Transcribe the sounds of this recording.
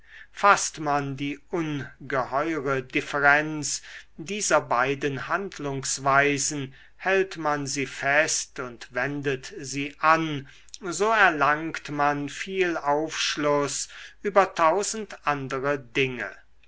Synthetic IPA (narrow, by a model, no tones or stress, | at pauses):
fastmandiːʔʊnɡəhɔʏʁədɪfəʁɛnt͡ssdiːzɐbaɪdənhantlʊŋsvaɪzn̩ | hɛltmanziːfɛstʊntvɛndətziːʔan | zoːɛɐlaŋktmanfiːlaʊfʃlʊsʔyːbɐtʰaʊzn̩tʔandəʁədɪŋə̰